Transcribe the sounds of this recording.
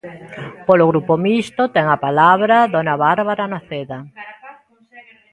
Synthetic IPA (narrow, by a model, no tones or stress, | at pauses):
poloɣɾupomist̪ot̪ɛŋapalaβɾaðonaβaɾβaɾanaθeða